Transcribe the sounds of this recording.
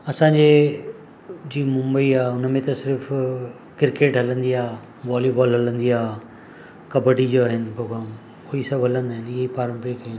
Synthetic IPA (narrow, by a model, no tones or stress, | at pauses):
ɐsãɲd͡ʑe | d͡ʑiːmʊ̃mbəiaːʊnəmẽt̪ɐsɪɾf | kɪɾkeːʈɦɐlə̃nd̪iaː | ʋaːlibɔːlɦɐlə̃nd̪iaː | kɐbəɽid͡ʑoaɦɪnpɾoːɡɾaːm | ʊɦisɐbʱɦɐlə̃nd̪aːɦɪnɪɦeipaːɾə̃mpɾikaɦɪn